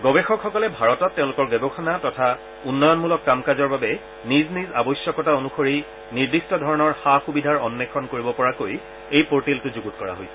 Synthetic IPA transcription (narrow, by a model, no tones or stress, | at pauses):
ɡɔbɛxɔkxɔkɔlɛbʱaɹɔtɔtːeʊ̃lʊkɔɹbɛbɔxʰɔnatɔtʰa | unːɔjɔnmulɔkːamkazɔɹbabɛ | niznizabɔjsjɔkɔtaonuxʰoɹi | niɹdistɔdʱɔɹɔnɔɹxaxubidʱaɹɔnːɛkʰɔnkoɹibɔpɔɹakoj | ejpoɹtiltʊzuɡutkɔɹa̰ɦojsɛ̥